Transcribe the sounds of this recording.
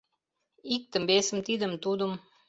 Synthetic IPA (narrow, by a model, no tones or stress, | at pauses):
ik̚t̪ə̆mbesə̆mt̪id̪ə̆mt̪ud̪um